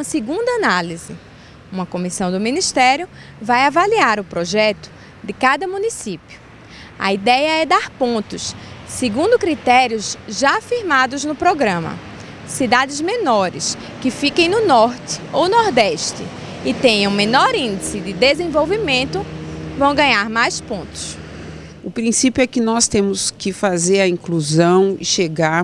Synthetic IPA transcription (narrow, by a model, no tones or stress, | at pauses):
umɐsɪɡũnd̪ɐanalizɪ | ũmɐkõmisɐ̃w̃d̪ʊmĩniʃt̪ɛɾjʊ | vajavaliaɾʊpɾoʒɛt̪ʊ̥ | d̪ɪkad̪ɐmũnisipjʊ | ɐ̰id̪ɛjɐɛd̪aɾpõnt̪ʊssɪɡũnd̪ʊkɾit̪ɛɾijʊzʒaːfiɾmad̪ʊznʊpɾoɡɾɐ̃mɐ̰ | sid̪ad̪ɪzmẽnɔɾɪ̰s | kɪfikẽj̃nʊnɔɾt̪ɪ̥ownɔɾd̪ɛʃt̪ɪ̰ | ɪt̪ẽj̃ɐ̃w̃menɔɾĩd̪ɪsɪd̪ɪd̪ezẽvowvimẽnt̪ʊvɐ̃w̃ɡɐ̃ɲaɾmajspõnt̪ʊ̥s | ʊpɾĩsipjuɛkɪnɔst̪ẽmʊskɪfazeɾɐĩkluzɐ̃w̃ɪ̰ʃeɡaɾ